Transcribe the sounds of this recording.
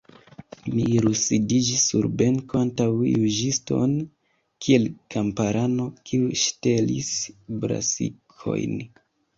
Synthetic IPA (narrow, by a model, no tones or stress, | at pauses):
miɾusidid͡ʒisːuɾbe̞ŋkoantawjud͡ʒisto̞̰n | kʰie̞lkampaɾano̞kʰiuʃtelḭsbɾa̰sḭkʰo̞̰jn